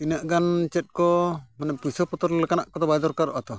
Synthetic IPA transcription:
inaʔɡant͡ʃɛt̪̚ˀkɔmanapusɔpɔt̪ɔɾlɛkanaʔkɔd̪ɔbajd̪ɔɾkaɾɔ̰ʔat̪ɔ

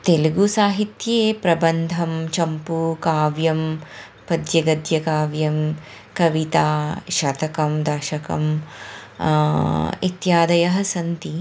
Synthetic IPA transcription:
t̪eluɡusaːɦit̪jeːpɾɐbɐnd̪ʱɐmt͡ʃɐmpukaːʋjɐm | pɐd̪jɐɡɐd̪jɐkaːʋjɐm | kɐʋit̪aːʃɐt̪ɐkɐmd̪ɐːʃɐkɐ̰m | ḭt̪jaːd̪ɐjɐɦɐsɐnt̪i

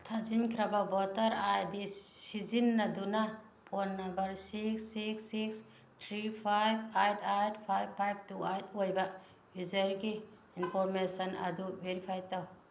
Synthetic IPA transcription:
tʰazinkʰɾɐbɐbɔtɐɾajdisizinːɐdunɐ | pʰonːɐmbɐɾsiksːiksːiks | tʰɾipʰajb̚ajtʰajt̚pʰajb̚pʰːajb̚tuajt̚ʰojbɐ | bizɐɾɡi | inpʰoɾmesɐnɐ̰dubeɾipʰajtaw

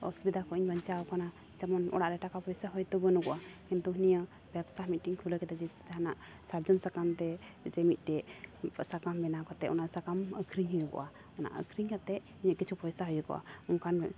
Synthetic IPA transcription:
ɔ̰subid̪akɔiɲbəɲt͡ʃawkana | t͡ʃamɔnɔ̰ɽaʔɾɛʈakapɔjsaɦɔjt̪ɔbənuɡɔʔakint̪uɦnijə | b̥ɛbsamit̪ʈiŋkʰuləkɛt̪ad͡ʒist̪ʰi̥t̪ɛɦanaʔ | saɾd͡ʒɔnsakamt̪ɛ | d͡ʒɛmit̪̚ˀʈɛsakambɛnakɔt̪ɛʔɔnasakaməkʰɾiɲɦujukɔ̰ʔa | ɔna̰ʔə̰kʰɾiɲkat̪ɛʔhuɲaʔkit͡ʃʰupɔjsaɦɔjukɔ̰ʔa̰ɔŋkʰan

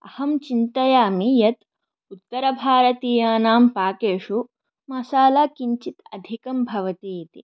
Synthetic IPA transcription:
ɐ̰hɐmt͡ʃint̪ɐjaːmijɐt̪ | ut̪ːɐɾɐbʱaːɾɐt̪iːjaːnaːmpaːkeːʂu | mɐsaːlaːkiɲt͡ʃit̪ɐd̪ʱikɐmbʱɐʋɐt̪iːit̪ḭ

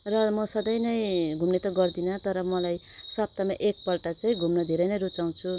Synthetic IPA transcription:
rʌmʌsʌd̪ʌjnʌj̃ɡʱumnet̪ʌɡʌrd̪inʌt̪ʌɾʌmʌlajsʌb̚t̪amaʔek̚pʌlʈat͡saĩɡʱumnʌd̪ʱeɾʌjnʌjɾut͡saw̃t͡sʰu

